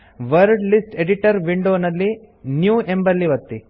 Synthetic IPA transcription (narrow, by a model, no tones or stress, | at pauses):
ʋɐɾɖlisʈeɖiʈɐɾʋiɳɖoːnɐlːi | njuːʔembɐlːiʋɐt̪ːi